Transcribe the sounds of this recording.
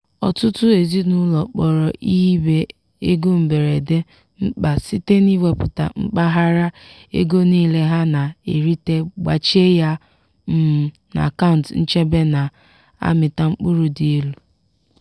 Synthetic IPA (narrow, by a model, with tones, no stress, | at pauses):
ɔ̰˨tʊ˦tʊ˦e˨zi˦nʊ˦lɔ˨k͡pɔ˨ɾɔ˨ʔi˦be˦ | e˦ɡo˦m̩˨be˨ɾe˨de˦ | ŋ͡m̩˦k͡pa˨si˦te˦ni˦we˦pʊ˨ta̰˨ŋ͡m̩˦k͡pa˦ɦa˦ɾa˦ | ḛ˦ɡo˦niː˦le˦ɦa˦na˨e˨ɾi˦te˦ɡ͡ba˨t͡ʃe˦ja˦ | m̩˦˨ | na̰˨ka˦ʊ˨n̩˨tn̩˦t͡ʃe˦be˦na˨ | a̰˦mɪ˨ta˦ŋ͡m̩˦k͡pʊ˦ɾu˨di˨e˦lu˨